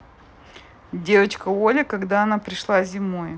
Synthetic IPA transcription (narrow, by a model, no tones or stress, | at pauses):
dʲe̞vət͡ɕkəolʲɪkɐɡd̪aɐnapɾʲɪʂlˠazʲɪmoj